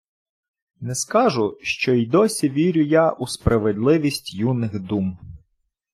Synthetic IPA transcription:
nɛskɑʒʊʃt͡ʃɔid̪ɔsʲiʋʲiɾʲʊjaʔuspɾʔɐʋed̪lˠɪʋʲisʲtʲjunɪxd̪um

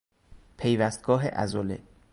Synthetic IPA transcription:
pʰejvæst̪̚ɡ̥ɒːɦḛʔæ̰zolḛ

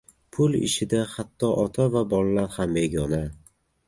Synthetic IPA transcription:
pʰʊlɪ̰ʃɪd̪ahat̪ʰːɒʔɒt̪ʰavabɒlˠalaɾhameɡʲɒna

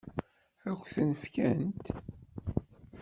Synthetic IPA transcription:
æçʷθənəfkænt̪

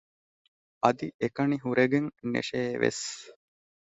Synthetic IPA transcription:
ɐd̪iʔekɐniɦuɾeɡeŋnḛʃeːʋḛs

